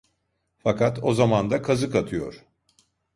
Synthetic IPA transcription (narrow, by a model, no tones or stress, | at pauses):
fakʰat̪ʰo̞zamand̪akʰazɯkat̪ʰɯjo̞̰ɾ̥